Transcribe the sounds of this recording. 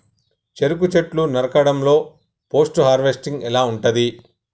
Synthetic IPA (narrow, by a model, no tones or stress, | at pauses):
t͡ʃeɾuk̬ut͡ʃeʈlunɐɾɐkɐɽɐmlo̞ː | po̞ːsʈuɦaːɾʋesʈiŋɡɛlaːuɳʈɐd̪i